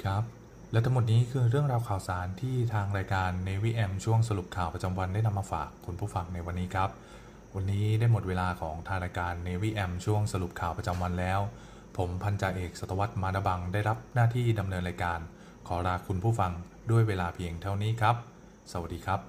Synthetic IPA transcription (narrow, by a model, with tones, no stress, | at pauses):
kʰa˦˥p̚ | lɛ˦˥t̪ʰa˧˥mu˨˩t̪̚niː˦˥kʰɯː˧ɾɯ˥˩əŋɾaː˧wkʰaː˨˩wsaː˩˦nt̪ʰiː˥˩t̪ʰaː˧ŋɾaː˧jkaː˧nːeː˧wiː˦˥ʔɛ˧mt͡ɕʰu˥˩əŋsa˧lu˨˩p̚kʰaː˨˩wpɾa˧t͡ɕa˧mwa˧ndaː˥˩jna˧mːaː˧fa̰ː˨˩kʰːu˧npʰuː˥˩fa˧ŋna˧jwa˧nːiː˦˥kʰɾa˦˥p̚ | wa˧nːiː˦˥daː˥˩jmo˨˩t̪̚weː˧laː˧kʰɔː˩˦ŋt̪ʰaː˧ŋnaː˧kaː˧nːeː˧wiː˦˥ʔɛ˧mt͡ɕʰu˥˩əŋsa˧lu˨˩p̚kʰaː˨˩wpɾa˧t͡ɕa˧mwa˧nlɛː˦˥w | pʰo˩˦mpʰa˧nt͡ɕa˧˩ʔeː˨˩k̚sa˨˩t̪ːa˧wa˦˥t̪̚maː˧ɾa˦˧˥ba˧ŋdaː˥˩jɾa˦˥p̚naː˥˩t̪ʰiː˥˩da˧mnɤː˧nɾaː˧jkaː˧n | kʰɔː˩˦ɾaː˧kʰu˧npʰuː˥˩fa˧ŋ | du˥˩əjweː˧laː˧pʰi˧əŋt̪ʰa˥˩wniː˦˥kʰɾa˦˥p̚ | sa˧˩wa˨˩diː˧kʰɾa˦˥p̚